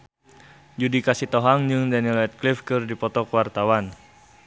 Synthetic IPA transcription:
d͡ʒudikasit̪ɔɦaŋd͡ʒɨŋdanilɛt̪̚klifkɨrdipɔt̪ɔkwart̪awan

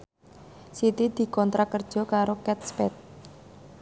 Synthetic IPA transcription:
sit̪id̪̥i̤kɔnt̪ɾakərd̥ʒ̥ɔ̤kaɾokɛt̪̚spɛt̪̚

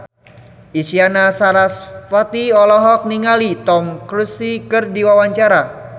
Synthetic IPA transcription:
ʔisianasaɾasfat̪iɔlɔɦɔk̚niŋalit̪ɔmkɾusikɨrdiwawaɲt͡ʃaɾa

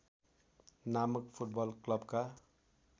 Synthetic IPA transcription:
naməkpʰuʈ̚bʌlklʌbka

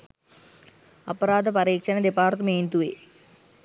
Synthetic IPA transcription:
ɐpəɾaːd̪əpaɾiːkʂɐnəd̪epaːrt̪əmeːnt̪uʋe

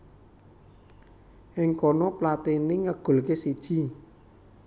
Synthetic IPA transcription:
ʔɪŋkɔnɔplat̪inɪŋəɡ̥o̤lkesid̥ʒ̥i̤

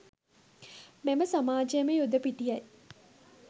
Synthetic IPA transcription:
meməsamaːd͡ʒejəməjud̪əpiʈijɐj

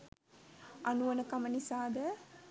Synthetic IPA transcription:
ʔanuʋɐnəkamənisaːd̪ə

